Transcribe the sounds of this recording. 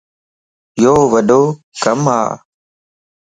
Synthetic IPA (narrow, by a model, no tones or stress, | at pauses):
joːʋəɗoː | kəmɦa̰ː